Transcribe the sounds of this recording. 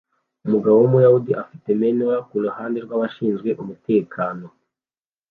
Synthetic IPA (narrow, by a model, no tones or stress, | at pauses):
umuɡaβomujahudiʔafi̥te̞me̞noakuluhaːndeɾɡwaβaʃiːnzɡwe̞ʔumute̞ːkʰaːno̞